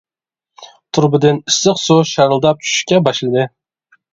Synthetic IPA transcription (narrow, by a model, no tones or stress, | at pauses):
t̪ʰuɾbɪd̪ɪnisɨqsoʃɑɾlˠd̪ɑp̚t͡ʃʰy̥ʃʃkʲɛbɑʃlˠɨd̪ɨ